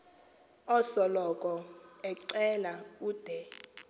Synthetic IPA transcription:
ɔsɔlɔkʼɔɛǀɛlauːd̥ʱɛ

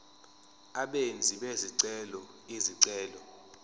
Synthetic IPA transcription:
aɓend͡zʱiɓeziǀɛlɔ | iziǀɛːlɔ

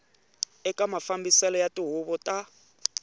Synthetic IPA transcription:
ɛkʼamafambisɛlɔjatʼiɦuβɔtʼa

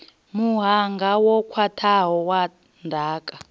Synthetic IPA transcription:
muɦaŋɡʱawɔkʰwatʰaɦɔwa | ndʱaːkʼa

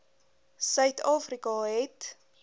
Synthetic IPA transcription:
sœɥtɑːfrikɑɦɛt

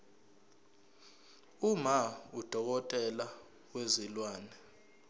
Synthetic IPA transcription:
umaud̥ʱɔk̬ɔtʼɛla | wezilwaːnɛ

